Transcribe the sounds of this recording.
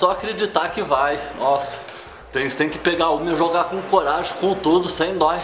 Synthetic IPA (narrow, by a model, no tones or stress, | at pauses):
sɔakɾed͡ʒit̪akɪvajnʔɔsɐ̥ | t̪ẽj̃t̪ẽj̃kɪ̥peɡaʊmewʒoɡakõkoɾaʒʊkõt̪ud̪ʊsẽj̃d̪ɔ